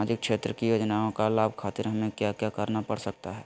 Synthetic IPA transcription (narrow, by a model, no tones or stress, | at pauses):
ad͡ʒɪk̚kʃeːt̪ɾəkijoːd͡ʒnaõkalaːbkʰaːt̪ɪɾɦɐmẽkjakjakəɾnapəɽsək̚t̪aɦɛː